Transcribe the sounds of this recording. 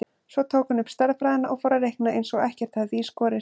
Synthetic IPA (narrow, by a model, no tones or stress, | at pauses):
svɔt̪ʰoːwkʏnʏpst̪ɛɾðfɾaːðɪnaʔɔɣfɔːɾaɾehknaʔejnsɔɣɛhcɛɾ̥t̪haðviːskɔːɾɪ